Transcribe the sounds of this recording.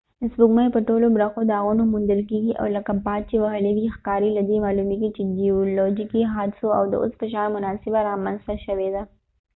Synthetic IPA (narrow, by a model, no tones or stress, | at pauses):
sbʊɡmajpəʈolobɾaxod̪əaɣunomund̪əlkeɡiʔa̰wləkabɑd̪̚t͡ʃewaɦəlewixkɑɾilad̪emɑlumeɡit͡ʃeɖiolɔd͡ʒikiɦɑd̪ɪsoa̰wd̪ə̰ʔo̰spəʃɑnmʊnɑsɪbaɾɑmanzt̪aʃəwed̪a